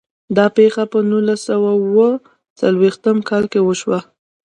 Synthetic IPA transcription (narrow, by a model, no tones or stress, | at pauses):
d̪ɑpexapənulasawawə | t͡salwext̪əmkɑlkewəʃwa